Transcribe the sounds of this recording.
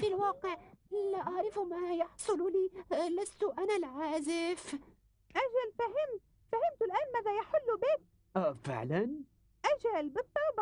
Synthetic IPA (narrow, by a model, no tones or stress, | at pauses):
filwɑːqɪʕʔɪlːaʔɑʕɾˤɪfmajɑħsˤʊlliːlast̪ʊʔanalʕaːzɪf | ʔad͡ʒalfaɦɪmt̪ | fahɪmt̪ʊlʔaːnmaːðajaħɪlːʊbeːt̪̚ | ʔafɪ̰ʕlan | ʔad͡ʒalbɨt̪ˤːɑb